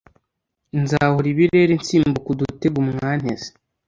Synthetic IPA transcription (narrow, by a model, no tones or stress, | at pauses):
nzaːhuɾiβiɾe̞ɾent͡siːmbukudute̞ɡumŋaːn̥hḛze̥